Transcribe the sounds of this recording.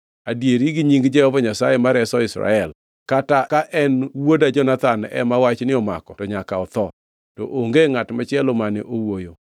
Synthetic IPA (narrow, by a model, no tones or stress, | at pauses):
adjeɾiɡiɲiŋɡd͡ʒɛhɔvɔɲasajemaɾɛsɔɪsɾa̰ɛl | katakaʔɛnwodad͡ʒɔnat̪anɛ̰mawat͡ʃnɪɔma̰kɔtɔɲakaɔt̪ɔ | tɔʔoŋɡeŋatmat͡ʃɛlomanɪʔowojo